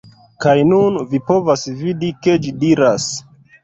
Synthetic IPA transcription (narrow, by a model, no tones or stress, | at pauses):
kajnunvipo̞vasvidike̞d͡ʒidiɾas